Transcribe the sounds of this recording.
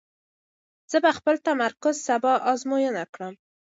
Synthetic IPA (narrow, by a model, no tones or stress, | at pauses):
z̥əbaxpəlt̪amaɾkʊzsabɑʔɑzmojənakɽəm